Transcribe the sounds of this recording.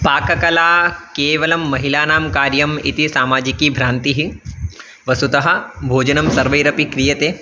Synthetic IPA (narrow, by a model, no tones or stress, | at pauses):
paːkɐkɐlaːkeːʋɐlɐmːɐɦilaːnaːmkaːɾjɐmḭt̪isaːmaːd͡ʒikiːbʱɾaːnt̪iɦi | ʋɐsut̪ɐɦɐ̆bʱoːd͡ʒɐnɐmsɐɾʋɐjɾɐpikɾijɐt̪eː